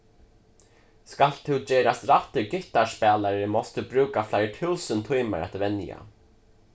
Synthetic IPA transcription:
skal̥t̪ʰuwt͡ɕɛːɾast̪ɾaht̪ɪɡɪht̪aspɛːlaɾɪmɔst̪ʰubɾuːkaflajɾt̪ʰuwsʏnt̪ʰujma̰ɾa̰t̪vɛnja̰

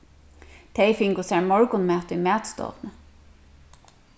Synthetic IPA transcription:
t̪ʰejfɪŋkʊsæɹmɔɹkʊnmɛːt̪ʊjmæːt̪st̪ɔ̰ːvnə

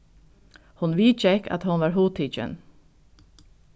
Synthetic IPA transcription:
hʊnʋiːt͡ʃɛka̰t̪hʊnʋaɹɦuːt̪ʰiːt͡ʃə̰n

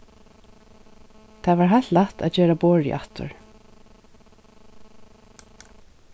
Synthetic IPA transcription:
t̪ʰaːvaːɹɦat̪laht̪a̰t͡ʃeːɾaboːɹɪ̰ʔa̰ht̪ʊ̰ɹ

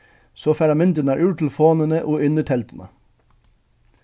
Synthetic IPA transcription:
soːfæɾɑmɛnt̪ənəæːɹʔʉːʈ̪ʰl̩foːnənəʔoːʔʏnəʈʰɛlt̪ən̩ə̰

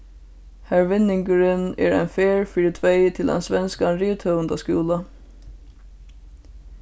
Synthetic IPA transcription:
hæɹʋɪnɪŋkəɹɪnɛɹɛ̰ɪnfeːɹfɪɹɪt̪ʰʋeːt̪ʰɪlɛ̰nsʋɛnskanɾiːt̪ʰœənd̪askʉːla

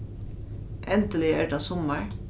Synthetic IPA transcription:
ʔɛnd̪əlɪæʈɑsɔməɹ

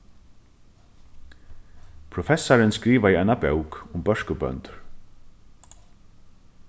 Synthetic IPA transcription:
pʰɾʊfɛsːaɹɪnskɾiːʋaiaɪnabœwkʊmbœʂkəbœ̰nt̪ʏɹ

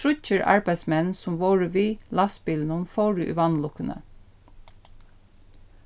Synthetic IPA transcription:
ɾʉc͡çəɹʔɑ̰ɹbæɪsmɛnnsɔmʋoːɹəʋiːlɑsbɪlnʊnfoːɹʉʔʉ̰ʋɑnlʊkənə̰

